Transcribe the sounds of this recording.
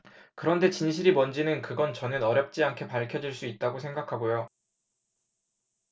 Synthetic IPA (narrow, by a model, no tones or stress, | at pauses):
kɯɾʌnde̞t͡ɕinɕ̬ʰiɾimʌnd͡ʑinɯnkɯɡʌnt͡ɕʌnɯnʌɾjʌp̚t͡ɕ͈iankʰe̞paɭkʰjʌd͡ʑiɭs͈uit̚t͈aɡosʰe̞ŋɡakʰabojo